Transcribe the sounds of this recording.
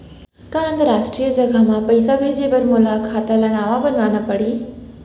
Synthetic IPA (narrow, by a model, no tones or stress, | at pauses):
kaə̃nd̪ɾaːʃʈɾijəd͡ʒəɡʱamãpəjsabʱed͡ʒebəɾmʊlakʰat̪alanaːʋabənd̪anəpəɽi